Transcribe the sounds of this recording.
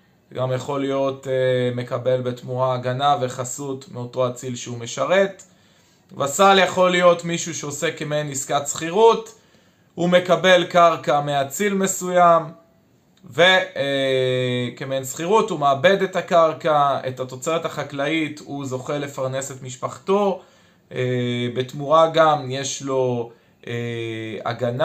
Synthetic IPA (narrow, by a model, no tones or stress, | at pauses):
ɡamjaχo̞lijo̞t̪me̞kabe̞lbe̞tmuaːɡanave̞χasutmeo̞to̞at͡silʃeume̞ʃaʁe̞t̪ | vasaljaχo̞lijo̞tmiʃuʃeo̞se̞kemeniskatsχiʁut | hume̞kabe̞lkaʁkameat͡silme̞sujam | ve | kemensχiʁuthumeːbe̞d̪e̞takaʁkae̞̰tat̪o̞t͡se̞ʁethaχaklaituzo̞χe̞le̞faʁne̞set̪miʃpaχto̞ | ebe̞tmuʁaɡamje̞ʃlo̞ | ʔea̰ɡan